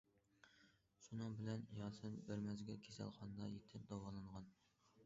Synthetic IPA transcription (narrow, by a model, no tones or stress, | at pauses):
ʃunɨŋbɪlɛnjɑsɨnbæɾmɛzɡʲɛkʲʰesæ̰lˠχɑnd̪ɑjet̪ʰɪp̚d̪ɑwɑlˠɨɴʁɑn